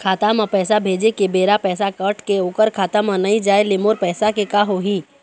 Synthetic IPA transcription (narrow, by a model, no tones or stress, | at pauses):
kʰaːt̪amãpɛːsabʱeːd͡ʒekebeːɾapɛːsakəʈʰkeoːkəɾkʰaːt̪amə̃nɐĩd͡ʒaːelɪmoːɾpɛːsakekaɦoɦi